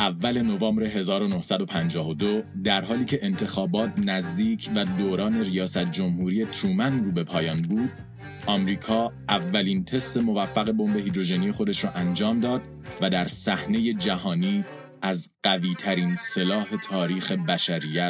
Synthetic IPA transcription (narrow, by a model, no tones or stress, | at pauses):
ʔævːæle̞no̞vɑːmbɾe̞ɦe̞zɒːɾo̞no̞hsæd̪o̞pʰænd͡ʒɒːvod̪od̪æɾɦɒːliːcʰe̞ʔent̪ʰe̞xɒːbɒːt̪ʰnæzd̪iːcʰvæd̪oːɾɒːne̞ɾijɒːsæt̪̚d͡ʒo̞mhuːɾiːje̞t̪ʰɾuːmænruːbe̞pʰɒːjɒːnbuːd̪̥̚ | ɒːmɾiːkʰɒːʔævːæliːnt̪ʰe̞st̪e̞mo̞væfːæɣe̞bo̞mbe̞ɦiːd̪ɾo̞ʒeniːe̞xo̞d̪e̞ʃɾɔːʔænd͡ʒɒːmd̪ɒːd̪̥̚ | væd̪æɾsæhne̞je̞d͡ʒæɦɒːniː | æzɢ̥æviːt̪ʰæɾiːnse̞lɒːhe̞t̪ʰɒːɾiːxe̞bæʃæɾijːæt̪